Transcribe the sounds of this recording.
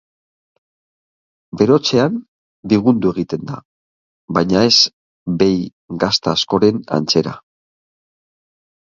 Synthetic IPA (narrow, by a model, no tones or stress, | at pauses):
be̞ɾo̞t͡se̞an | biɣ̞und̪ueɣ̞it̪e̞nd̪a̰ | βajɲae̞z | be̞j | ɡast̪aːsko̞ɾe̞na̰nt͡se̞ɾa̰